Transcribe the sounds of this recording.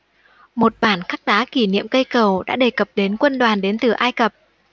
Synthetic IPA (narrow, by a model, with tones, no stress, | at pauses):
mo˨˩t̚ɓaː˧˩nxa˦˥k̚ɗaː˨˦ki˧˩nḭ˧˨əmkə˧jkə˨˩wɗa̰ː˧˥ɗe˨˩kə˨˩p̚ɗe˨˦nkwə˧nɗwaː˨˩nɗe˨˦nt̪ɨ˨˩ʔaː˧jkə˨˩p̚